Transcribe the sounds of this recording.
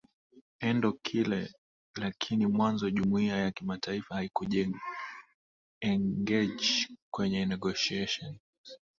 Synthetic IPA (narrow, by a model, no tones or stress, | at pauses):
ɛndɔkʰilɛ | lakʰinimwanzɔʄumuiajakimatʰaifahaikuʄɛ | ɛŋɡɛʄkwɛɲɛnɛɡɔʃiɛʃɔn